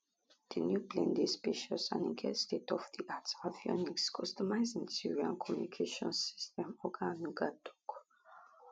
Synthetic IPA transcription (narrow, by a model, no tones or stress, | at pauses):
dinjuplḛ̃ndespiʃɔsã̰nĩɡʰɛ̰stetɔfdiʔatsavjɔ̰nikskʰɔstɔmaɪzĩntiɹiã̰nkʰɔmjunikʰeʃɔ̰̃nsi̥stɛ̃mɔɡãnuɡadɔ̥k